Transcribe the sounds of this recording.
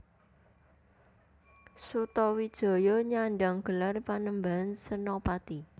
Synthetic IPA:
sut̪ɔwid̥ʒ̥o̤jɔɲaɳɖaŋɡ̥ə̤larpanəmbaɦansənɔpat̪i

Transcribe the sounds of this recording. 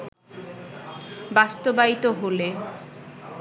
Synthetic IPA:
bast̪obait̪oɦole

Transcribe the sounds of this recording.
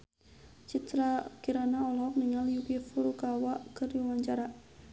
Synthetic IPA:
t͡ʃit̪ɾakiɾanaɔlɔk̚nəŋaljukifulukawakərjawaɲt͡ʃaɾa

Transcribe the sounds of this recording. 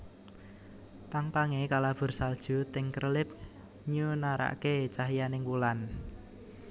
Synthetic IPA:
t̪aŋpaŋekalab̥ʊ̤rsald̥ʒ̥ṳt̪ɪŋkərʔəlɪp̚ | ɲunaɾa̰ʔket͡ʃaɦijanɪŋwulan

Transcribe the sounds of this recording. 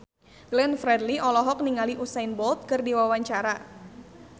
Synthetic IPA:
ɡ̥lɛnfɾɛdliʔɔlɔɦɔk̚niŋaliʔusajnbɔlt̪̚kɨrdiwawaɲt͡ʃaɾa

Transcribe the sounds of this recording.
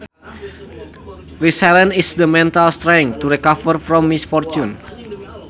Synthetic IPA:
ɹisɛlə̃nisd̪əmɛ̃nt̪alst̪ɾaŋt̪uɾikavərfɾɔmːisfɔrt͡ʃun

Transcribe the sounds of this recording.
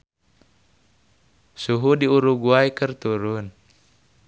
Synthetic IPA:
suɦudiuɾuɡuaikərt̪uɾun

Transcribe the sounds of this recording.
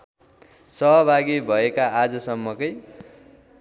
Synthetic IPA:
sʌɦʌbʱaɡibʱʌekaad͡zʌsʌmːʌkʌj

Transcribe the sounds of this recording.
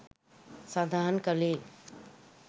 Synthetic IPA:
sad̪ʱankəle

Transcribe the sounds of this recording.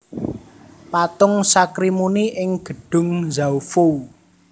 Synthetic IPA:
pat̪ʊŋsakɾimuniʔɪŋɡ̥ə̤ɖ̥ʊ̤ŋzawfo

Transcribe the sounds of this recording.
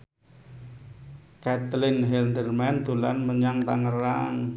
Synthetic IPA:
kɛt̪lɪnɦɛld̪ərmand̪ṳlanməɲaŋt̪aŋəɾa̰ŋ

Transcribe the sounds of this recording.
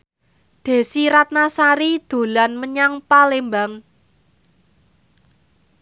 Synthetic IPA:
d̪̥e̤siɾat̪̚nasaɾid̪̥o̤lanməɲaŋpalembaŋ

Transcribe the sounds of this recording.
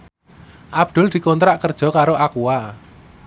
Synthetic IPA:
ʔab̚d̪̥ʊ̤ld̪̥i̤kont̪ɾaʔkərd̥ʒ̥ɔ̤kaɾoʔakua

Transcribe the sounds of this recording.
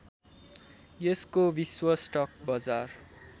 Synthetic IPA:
jeskobiswʌsʈʌk̚bʌd͡zar

